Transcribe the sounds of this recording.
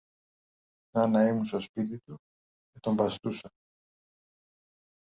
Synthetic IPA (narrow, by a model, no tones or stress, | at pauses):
nɐnɐimunst̪o̞spit̪it̪u | cet̪o̞mbɐst̪usɐ